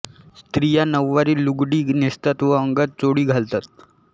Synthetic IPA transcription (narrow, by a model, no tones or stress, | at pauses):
st̪ɾijanəʋːaɾiːluɡɽiːnist̪at̪ʋəəŋɡət̪̚t͡soɽiːɡʱalt̪at̪̚